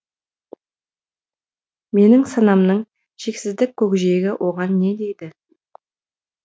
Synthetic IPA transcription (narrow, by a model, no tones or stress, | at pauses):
me̞nɪŋsɑnɑmnəɴ | ʒ̥e̞ksɪzd̪ɪkʲʰːɵkʲʒeɡʲɪwʔo̞ʁɑnːe̞d̪e̞jd̪ɪ